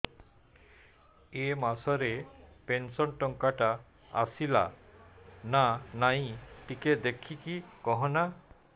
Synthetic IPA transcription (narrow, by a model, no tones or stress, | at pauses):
emasɔɾepensɔnʈɔŋkaʈa | a̰sila̰ | nanaj̃ʈiked̪ekʰikikɔɦɔ̃na